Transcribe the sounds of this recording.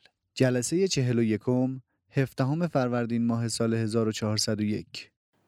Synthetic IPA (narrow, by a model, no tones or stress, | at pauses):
d͡ʒælæseje̞t͡ʃʰe̞ɦe̞lojekʰom | he̞fd̪̥æɦome̞fæɾvæɾd̪iːnmɒːɦe̞sɒːlehe̞zɒːɾot͡ʃʰɒɦɒːɾsæd̪oje̞̰cʰ